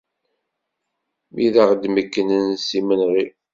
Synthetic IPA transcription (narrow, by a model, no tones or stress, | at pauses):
miðaʁd̪məkːənənsimənʁi